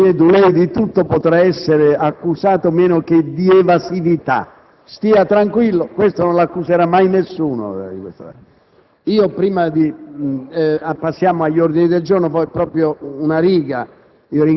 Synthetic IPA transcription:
ɛːd̪ulɛjd̪it̪ut̪ːopot̪ɾaɛsːeɾɪakːusaːt̪omɛːnok̟ed̪iɛvasivit̪a̰ | st̪iːat̪ɾaŋkwilːokwest̪ononlakːuseɾamːajnesːuːno̰ikwḛst̪a̰ | iːopɾiːmad̪i | pasːjaːmʊaʎːoɾd̪inid̪eld͡ʒornofɔjpɾɔːpɾjounaɾiːɡa | iːoɾi

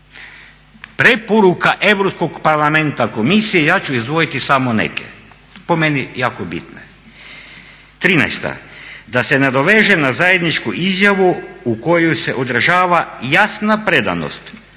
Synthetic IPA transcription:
pɾe̞poɾukaʔe̞ʋɾopsko̞ɡpaɾlˠame̞nt̪ako̞misijejaːt͡ɕuizd̪ʋo̞jit̪isamonḛkjḛ | po̞me̞nijaːkobḭt̪no̰ | t̪ɾinɛ̰jst̪a̰d̪ase̞ned̪o̞ʋeːʒenazaje̞d̪nit͡ʃkuʔizjaʋuuko̞jujse̞ʔod̪ɾʒaːʋajasnapɾe̞d̪a̰no̰st̪

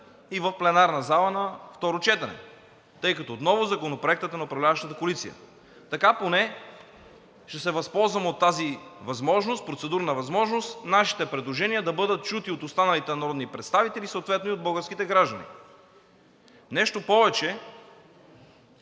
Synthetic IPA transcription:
ivəfplɛnaɾnɐzalˠənɐft̪ɔɾot͡ʃɛt̪ɐnɛ̰ | t̪ɤjkɐt̪ɔːt̪nɔvʊzɐkonopɾoɛk̚t̪ət̪ənɐopɾɐvlʲavəʃt̪ət̪əkolit̪sijə̰ | t̪ɐkaponɛ | ʃt̪ɛsɛvɐspɔlˠzvɐmot̪ːazivɐzmɔʒnost̪̚pɾot̪sɛd̪uɾnɐvɐzmɔʒnost̪naʃi̥t̪ɛpɾɛd̪lˠoʒɛniəd̪ɐbɤd̪ət̪̚t͡ʃut̪iot̪ost̪anɐlit̪ɛnɐɾɔd̪nipɾɛt̪st̪avit̪ɛlisəot̪vɛt̪noiod̪bɤlˠɡəɾsk̟it̪ɛɡɾaʒd̪ənḭ | nɛʃt̪opɔvɛt͡ʃɛ

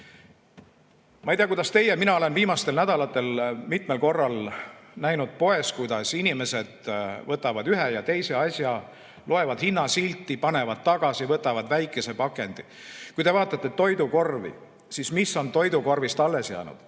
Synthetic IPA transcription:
mɑejt̪ijɑkujd̪ɑst̪e̞jeminɑo̞le̞nviːmɑst̪e̞lnæd̪̥ɑlɑt̪ːˑe̞lmit̪me̞lko̞rːɑlnæjnud̪̥̚po̞e̞skujd̪ɑsinʲime̞se̞d̪̥vɤt̪ːˑɑvɑd̪yɦejɑt̪e̞jse̞ɑsʲjɑ | lʔo̞e̞vɑd̪̥hinːɑsilʲt̪ːˑipɑne̞vɑd̪̥̚t̪ːɑɡ̥ɑsivɤt̪ːˑɑvɑd̪̥væjkːˑe̞se̞pɑkːˑe̞nd̪̥i | kujt̪e̞vɑːt̪ːˑɑt̪ˑːe̞t̪o̞jd̪uko̞rvḭ | sismisːo̞nt̪o̞jd̪uko̞rvist̪ɑlːe̞sjæ̰ːnṵd̪̥

